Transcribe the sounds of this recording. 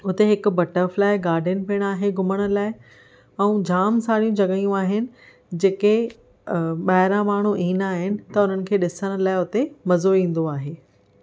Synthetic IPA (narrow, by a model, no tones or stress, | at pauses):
ʊt̪eɦɪkʊ̆bɐʈəɾflaːɪɡaːɾɖʱənɪ̆piəɽ̃aːɦeɡʱʊməɽ̃ʊ̆laːɪ | ɛ̃ːd͡ʑʱaːmsaːɽijũd͡ʑɐɡəijũaːɦɪnɪ̆ | d͡ʑeːke | ɓaɦɪɾãmaːɳ̤uʔĩːnaːɦɪnɪ̆t̪ɐʊn̤ənɪ̆kʰeːɗɪsəɽ̃ʊ̆laːɪʊt̪emɐzoĩːn̆d̪oaːɦeː